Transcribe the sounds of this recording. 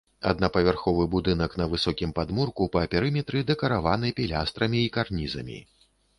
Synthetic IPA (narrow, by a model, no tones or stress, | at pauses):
ɐ̰d̪nɐpɐvʲarxɔvɨbud̪ɨnɐknɐvɨsɔkʲimpad̪murkupɐːpʲɛɾɨmʲɛt̪ɾɨd̪ɛkɐɾavanɨpʲilʲast̪ɾɐmʲiːkarnʲizɐ̰mʲḭ